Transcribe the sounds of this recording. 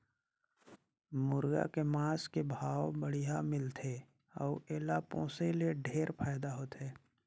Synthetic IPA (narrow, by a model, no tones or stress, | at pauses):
mʊɾɡa̰kemaːskebʱaːwbəɽijamɪlt̪ʰe | ɔːeːlapɔ̰̃ːseleɖʱeːɾpʰaːɪd̪aɦoːt̪eː